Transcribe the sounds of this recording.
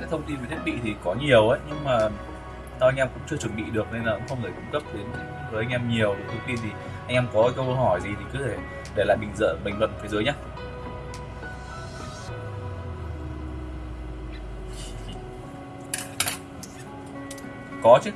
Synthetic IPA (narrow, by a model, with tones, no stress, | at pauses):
a̰ː˧˥t̪ʰwŋ͡mt̪i˧nvt̪ʰt̚ɓḭ˧˨t̪ʰi˨˩kɔ˨˦ɲi˨˩əwʔəː˨˦jɲɨ˧ŋmaː˨˩ | sa˧wa˧jŋʔɛ˧mkʊ̰˧˥ŋ͡mt͡ɕɨ˧ət͡ɕwə˧˩nɓḭ˧˨ɗɨ˨˩ək̚ne˧nlaː˨˩kə̰˧˥ŋ͡mxə˧wŋ͡mŋəː˧˩kʊ˧ŋ͡mkə˦˥p̚t̪i˨˦n˨˦˧vəː˨˦ʔa˧ŋ̟ʔɛ˧mɲi˨˩əwɗt̪ʰwŋ͡mt̪i˧nt̪ʰi˨˩ | ʔa˧jŋʔɛː˧mkɔ˨˦˧kə˧wə˧hɔ˧˩jzi˨˩t̪ʰi˨˩kɨ˨˦t̪ʰe˧˩ | ɗe˧˩la̰ː˧˨jɓï˨˩ŋ̟zə̰ː˧˨ɓï˧˩ŋlwə̰˧˨nfi˨˦zəː˨˦jɲa˦˥ | kɔ˨˦t͡ɕɨ˦˥k